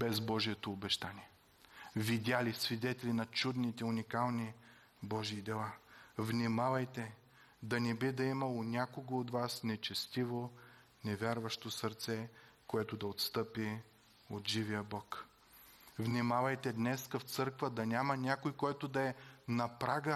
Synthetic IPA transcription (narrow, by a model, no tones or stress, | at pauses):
bɛzbɔʒijɛt̪oːbɛʃt̪anʲiɛ | vid̪ʲalisvid̪ɛt̪ɛlinɐt͡ʃud̪nit̪ɛunikalˠni | bɔʒiːd̪ɛlˠavnʲimavɐjt̪ɛ | d̪ɐnɛbid̪ɐimɐlˠonʲakoɡoːt̪vasnɛt͡ʃɛst̪ivo | nɛvʲjaɾvɐʃt̪osəɾt̪sɛ | koɛt̪ʊd̪ɐot̪st̪ɤpi | ot̪ʒivijəbɔk | vnʲimavɐjt̪ɛd̪nɛskɐft̪sɤɾkvəd̪ɐnʲamɐnʲakojkɔjt̪ʊd̪ɐɛnɐpɾaɡə